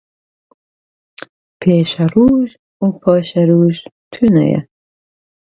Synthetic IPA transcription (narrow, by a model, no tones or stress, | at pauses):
pʰeːʃɐɾuːʒ | upʰɑːʃɐɾuːʒ | t̪ʰunɐ̰jɛ̰